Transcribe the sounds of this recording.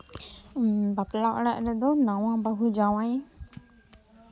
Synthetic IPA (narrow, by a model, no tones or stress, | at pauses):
baplaʔaɽaʔɾɛd̪ɔnawãbaɦud͡ʒawaj